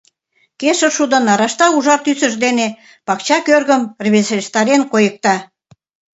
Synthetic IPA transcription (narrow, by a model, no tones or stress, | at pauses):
keʃə̆ʃud̪ə̆nɑɾɑʃt̪ɑuʒɑrt̪ysə̆ʒd̪ene | pɑkt͡ɕɑkørɣəmrβeseʃt̪ɑɾenkojə̆k̚t̪ɑ